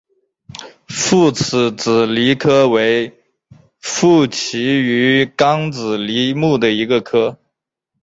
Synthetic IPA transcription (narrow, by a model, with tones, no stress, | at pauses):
fu˥˩t͡sʰɹ̩˧˩t͡sɹ̩˨˩li˧˥kʰɤ˥we˧˥ɪ | fu˥˩t͡ɕʰi˧˥y˧˥kɑ˥ŋt͡sɹ̩˨˩li˧˥mu˥˩d̪ə˩i˧˥ɡə˧kʰɤ˥